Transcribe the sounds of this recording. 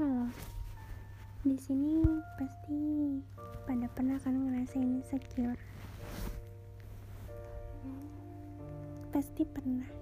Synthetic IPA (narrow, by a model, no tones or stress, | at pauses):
kalɔ | disinipast̪i | padapərnahkanaŋəɾasainsəɡʊr | past̪ipərnah